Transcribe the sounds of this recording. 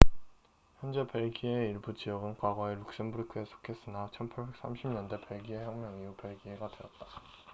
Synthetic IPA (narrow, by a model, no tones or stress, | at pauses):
çjʌnd͡ʑe̞pe̞ɭɡieiɭbud͡ʑijʌɡɯnkwaɡwaeɾuk̚s͈ɯmbuɾkʰɯe̞sʰo̥kʰe̞s͈ɯnat͡ɕʰʌnpʰaɭbe̞k̚s͈amɕʰimɲʌnde̞pe̞ɭɡie̞çjʌŋmjʌŋiupe̞ɭɡiɦeɡadeʌt̚t͈ḁ